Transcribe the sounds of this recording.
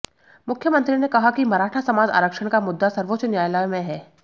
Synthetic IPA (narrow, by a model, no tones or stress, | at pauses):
mʊkʰjəmɐ̃nt̪ɾinẽkɐɦakimɐɾaːʈʰasɐmaːd͡ʒa̰ːɾəkʃəɽ̃kamʊd̪ːasɐɾʋoːt͡ʃnjaːjlajmẽɦɛː